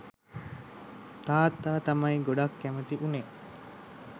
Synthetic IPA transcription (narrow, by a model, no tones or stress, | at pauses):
t̪aːt̪ːaːt̪ɐmɐiɡoɖɐkːæmɐt̪iʔune